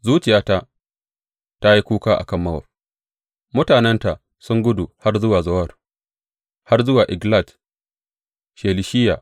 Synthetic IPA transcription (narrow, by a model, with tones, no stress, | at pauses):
zuː˦t͡ʃɪ˨jaː˨˦ta˦ | ta˦ji˦kʷuː˦kaː˦ʔa̰˨kɐ˦˨mːɐ˦wɐ̰˨r | mʊ˦taː˨nɛ˦nta˨ʔ | sʊ˦ŋɡʷʊ˦du˨ha˦rzʊ˦waː˨zɐ˦wɐ˦˨r | ha˦rzʊ˦waː˨ʔɪ˨ɡla˦˨t | ʃeː˨lɪ˨ʃɪ˦jːa̰ː˨